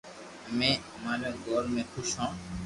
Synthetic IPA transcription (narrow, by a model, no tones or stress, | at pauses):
əmẽːəmaːɾeːɡoːɾmẽːkʰʊʃɦãː